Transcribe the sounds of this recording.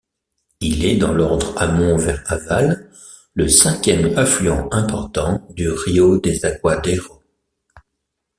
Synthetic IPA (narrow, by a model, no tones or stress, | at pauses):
ilɛd̪ɑ̰̃lɔʁd̪ʁamɔ̃vɛʁavalː | əsɛ̃kʲjɛmaflyɑ̃ɛ̃pɔʁt̪ɑ̃d̪yʁiod̪ezakwad̪eʁo